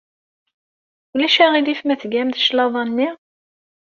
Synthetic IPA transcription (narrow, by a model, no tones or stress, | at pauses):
ulæʃæʁid̪ifmæθɡæmd̪əʃlɑðˤɑnːi